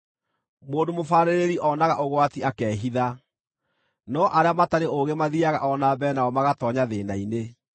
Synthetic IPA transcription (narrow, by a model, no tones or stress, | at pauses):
moːndomofaːɾeɾeɾiʔɔnaɣaʔoɣwatiakɛːɦiða | nɔʔaɾeamataɾeʔoɣemaðiaɣa̰ʔɔnabɛːnaɔmaɣatɔɲaðeːnaine